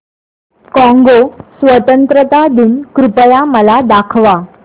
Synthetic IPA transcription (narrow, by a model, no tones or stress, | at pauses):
kɔ̃ŋɡosʋət̪ənt̪ɾət̪ad̪inkɾupəjaməlad̪akʰʋa